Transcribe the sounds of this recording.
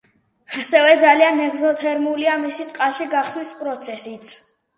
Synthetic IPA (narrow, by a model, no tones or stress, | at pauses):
asɛvɛd̪zalianɛɡzɔt̪ʰɛɾmuliamisit̪sʼqʼalˠʃiɡaχsnispʼɾɔt̪sʰɛsit̪sʰ